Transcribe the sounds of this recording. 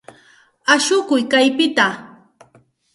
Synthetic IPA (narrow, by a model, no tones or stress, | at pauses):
aʃʊkʊjkajpɪt̪a